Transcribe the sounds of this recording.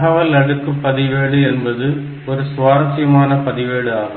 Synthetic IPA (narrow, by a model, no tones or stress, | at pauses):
ɦɐʋɐlɐɽɯkːɯpːɐðɪʋeːɽɯɛnbɐðɯ | ɔɾɯsʊʋaːɾɐsɪjɐmaːnɐpɐðɪʋeːɽɯaːɣɯ